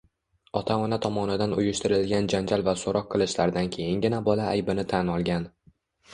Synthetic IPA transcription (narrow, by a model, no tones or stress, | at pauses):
ɒt̪ʰaɒnat̪ʰɒmɒnɪd̪anʊjɪʃt̪ɪɾɪlɡʲand͡ʒand͡ʒalvasoɾʔɒq̚ʰːɨlˠɪʃlaɾd̪ankʲʰe̞jɪnɡʲɪnabɒlaːjbɪnɪt̪ʰanɒlˠɡʲan